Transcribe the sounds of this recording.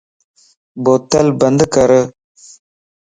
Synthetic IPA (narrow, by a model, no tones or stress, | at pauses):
boːt̪ɐlbɐnd̪kɐɾə